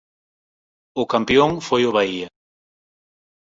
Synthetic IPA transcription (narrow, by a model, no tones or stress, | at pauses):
ʊkampjoŋfojʊβaiɐ